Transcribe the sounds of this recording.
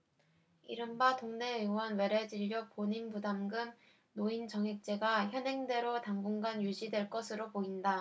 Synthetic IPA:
iɾɯmbatoŋne̞ɯŋwʌnwe̞ɾe̞d͡ʑiʎːopoɲinbudamɡɯm | noint͡ɕʌŋɦek̚t͡ɕ͈e̞ɡaçjʌnɦe̞ŋdwe̞ɾotaŋɡuŋɡanjud͡ʑidwe̞ɭk͈ʌsʰɯɾopoinda

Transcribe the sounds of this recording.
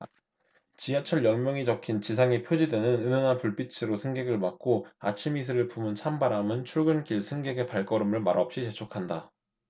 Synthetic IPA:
t͡ɕiat͡ɕʰʌɭjʌŋmjʌŋit͡ɕʌkʰint͡ɕis̬ʰaŋipʰjod͡ʑidwe̞nɯnɯnɯnanpuɭp͈it͡ɕʰɯɾosʰɯŋɡe̞ɡɯɭmak̚k͈oa̰t͡ɕʰimis̬ʰɯɾɯɭpumɯnt͡ɕʰambaɾamɯnt͡ɕʰuɭɡɯnk͈iɭsʰɯŋɡe̞ɡe̞paɭk͈ʌɾɯmɯɭmaɾʌp̚ɕ͈it͡ɕe̞t͡ɕʰokʰanda

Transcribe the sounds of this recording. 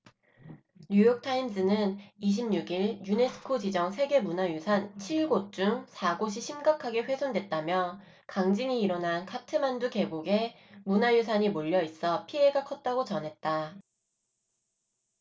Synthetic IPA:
ɲujʌk̚tʰaims͈ʰɯnɯniɕ̬ʰimɲuɡiɭjune̞sʰɯ̥kʰod͡ʑid͡ʑʌŋsʰe̞ɡe̞munajusʰant͡ɕʰiɭɡot͡ɕ͈uŋsʰaɡoɕ̬ʰiɕʰimɡakʰaɡe̞ɸwe̞sʰondwet̚t͈amjʌ | kaŋd͡ʑiŋiːɾʌnankʰatʰɯmanduke̞boɡe̞ | munajus̬ʰaɲimoʎːʌis͈ʌpʰie̞ɡakʰʌt̚t͈aɡot͡ɕʌnɦe̞t̚t͈a

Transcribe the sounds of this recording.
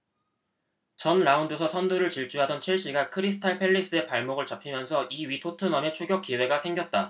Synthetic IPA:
t͡ɕʌnɾaundɯsʰʌsʰʌnduɾɯɭt͡ɕiɭt͡ɕ͈uɦadʌnt͡ɕʰiɭɕ͈iɡakʰɯɾisʰɯ̥tʰaɭpʰe̞ʎːis͈ɯe̞paɭmoɡɯɭt͡ɕapʰimjʌnsʰʌʔiɥitʰotʰɯnʌme̞t͡ɕʰuɡjʌk͈iwe̞ɡasʰe̞ŋɡjʌt̚t͈a

